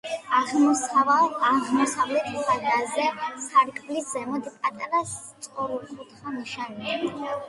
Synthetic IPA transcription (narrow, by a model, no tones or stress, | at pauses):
aʁ | aʁmɔsavlɛt̪ʰχʰad̪azɛsaɾkʼblisz̥ɛmɔd̪pʼat̪ʼaɾast̪sʼqʼɔɾulχʰut̪ʰχaniʃania